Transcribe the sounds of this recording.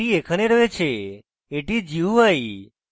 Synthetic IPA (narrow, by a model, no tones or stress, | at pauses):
iekʰəneɾəʋet͡ʃʰe | eʈid͡ʒiuʋaj